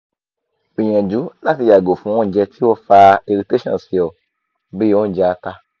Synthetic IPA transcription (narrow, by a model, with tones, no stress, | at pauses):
i˨ɲɛ̃˨d͡ʒu˨˦la˦fi˧ja˨ɡo˨fũ˨˦wɔ̃˦˨d͡ʒɛ˧t̪ʰi˦wo˦fa˧i˨˧ɾi˧te˦ʃɔ̰̃˨si˨ɔ˨ | be˦˨wɔ̃˦˨d͡ʒɛ˧˨a˧ta˧